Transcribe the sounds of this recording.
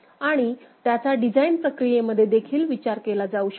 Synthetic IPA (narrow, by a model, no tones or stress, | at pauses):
aɽ̃it̪jat͡saɖid͡zainpɾəkɾijeməd̪ʱːjed̪ekʰiːlʋit͡ɕaɾkelad͡zauɕə̥